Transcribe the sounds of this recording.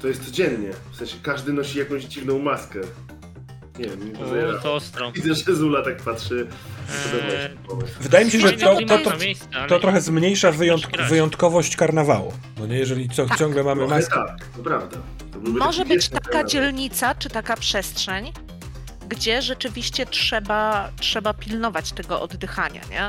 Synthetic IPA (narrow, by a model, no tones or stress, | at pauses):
t̪ɔjɛst̪sɔd͡ʑɛnɲɛfsɛ̃ñɕɛkaʐd̪ɘnɔɕijakɔ̃w̃ʑd͡ʑivnɔ̃w̃maskɛ | ɲɛvʲjɛmikɔɛɲɛɾavizɛʐɛzulat̪ak̚patʂɘɔd̪ɛbaɛɛpɔvɛvɘd̪ajɛmʲiɕɛʐɛt̪ɔɔɾɔɔt̪ɾɔxɛzmɲejʂavɘjɔnt̪kvɘjɔnt̪kɔvɔɕt͡ɕkaɾnava̰wṵ | nɔɲɛjɛʐɛlʲit̪ɔt͡ɕɔ̃ŋɡlɛmamɨmat̪ak̚t̪ɔpɾavd̪a | t̪ɔbɘwmɔʐɛbɘt͡ɕt̪akad͡ʑɛlɲit̪sat͡ʂɘt̪akapʂɛstʂɛɲ | ɡd͡ʑɛʐɛt͡ʂɘvʲiɕt͡ɕɛtʂɛbatʂɛbapʲilnɔvat͡ɕt̪ɛɡɔʔɔ̰d̪d̪ɘxaɲa̰ɲɛ̰